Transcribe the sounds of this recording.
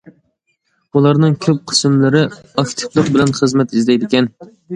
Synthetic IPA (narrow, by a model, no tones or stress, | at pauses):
ulˠɑɾnɨŋkʲʰøp̚qʰə̥smlɪɾɪɑkt̪ʰɪ̥klˠəqbɪlɛnχəzmɛt̪izd̪ɛjd̪ɪkʲɛn